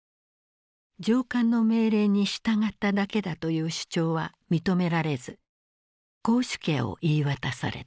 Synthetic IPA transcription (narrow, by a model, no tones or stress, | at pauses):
d͡ʑoːkãnːo̞me̞ːɾe̞ːɲ̟iɕi̥t̪aŋat̪ːad̪ake̞d̪at̪o̞jɯ̟ːɕɨ̥t͡ɕo̞ːβa | mʲit̪o̞me̞ɾaɾe̞zɨ | ɡ̥o̞ːɕi̥keo̞̰ʔiːβat̪asa̰ɾe̞̰